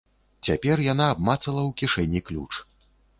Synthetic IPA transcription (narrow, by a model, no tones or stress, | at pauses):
t͡sʲapʲɛrjanaːbmat̪sɐlˠɐwkʲiʂɛnʲiklʲṵt͡ʂ